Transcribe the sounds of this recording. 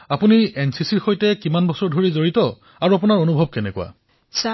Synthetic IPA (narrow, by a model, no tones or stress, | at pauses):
apuniɛnsisiɹxojtɛkimanbɔsɔɹdʱoɹizoɹitɔ | aɹuapunaɹonubʱɔb̚kɛnɛkṵa̰